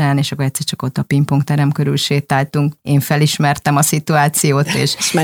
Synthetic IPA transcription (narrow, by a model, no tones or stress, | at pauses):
aːneːʃɒkːoɾɛt̪sːɛrt͡ʃɒkot̪ːɒpimpoŋkt̪ɛɾɛmkø̞ɾylʃeːt̪aːlt̪uŋkeːɱfɛliʃmɛrt̪ɛmɒsit̪uaːt̪sijoːt̪ḛːʃ